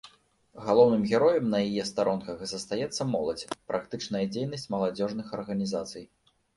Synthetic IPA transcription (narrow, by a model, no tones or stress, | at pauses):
ɣalˠɔwnɨmɣʲɛɾɔjɛmnɐjajɛst̪aɾʔɔnkɐxzɐst̪ajɛt̪sːɐmɔlˠɐd͡zʲpɾʔakt̪ɨt͡ʂnɐjɐd͡zʲejnɐsʲt͡sʲmɐlˠad͡zʲɔʐnɨxɐrɣɐnʲizat̪sɨj